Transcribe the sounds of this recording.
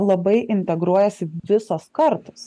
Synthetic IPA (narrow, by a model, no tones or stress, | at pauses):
lˠɐbɐɪʔɪnʲt̪ʲɛɡɾuɔjɛsʲɪʋʲɪsɐskɐɾt̪ɐs